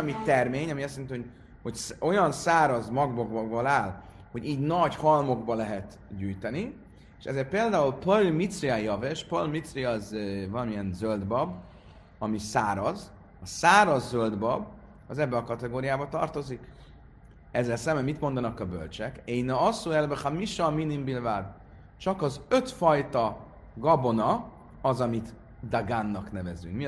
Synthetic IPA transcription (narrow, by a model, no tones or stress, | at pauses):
mit̪ɛrmeːɲɒmiɛsːɛninio | ho̞cso̞jɒnsaːɾɒzmɒɡboɡbɒɡbolaːl | ho̞ɟiːɟnɒɟhɒlmo̞ɡbɒlɛɦɛt̪ | ɟyːjt̪ɛni | eʃɛ̰zeːrt̪peːld̪aːulpølmit̪sriajɒveʃpølmit̪sriɒzvɒlɒmiɛnzøld̪bɒb | ɒmisaːɾɒz | ɒsaːɾɒzːøld̪bɒb | ɒzɛbːɛɒkɒt̪ɛɡoːɾijaːbɒt̪ɒrt̪o̞zik | ɛzːɛlsɛmbɛmit̪mo̞nd̪ɒnɒkɒbø̰lt͡ʃɛkejnɒɒsuɛlbɛχamiʃɒminimbilvad̪ | t͡ʃɒkɒzøt̪fɒjt̪ɒ | ɡɒbo̞nɒ | ɒzɒmit̪ | d̪aɡanːɒknɛvɛzy̰ŋkmi